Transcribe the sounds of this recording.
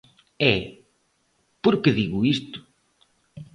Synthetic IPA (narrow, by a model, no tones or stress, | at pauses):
ɛ | poɾkeðiɣʊist̪ʊ̥